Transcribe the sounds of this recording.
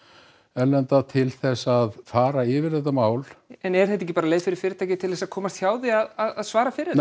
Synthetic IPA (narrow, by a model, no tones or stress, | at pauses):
ɛlːɛnt̪at̪ʰɪlθɛsːaðfaːɾaɪːvɪɾ̥θɛht̪amaːwlɛnɛɾθɛht̪ːɛcːɪpaːɾaleːjfɪɾɪɾ̥fɪːɾɪt̪ʰajcɪt̪ʰɪlθɛsaðkʰɔːmast̪çaːwðɪaðaðaðsvaːɾafɪɾɪ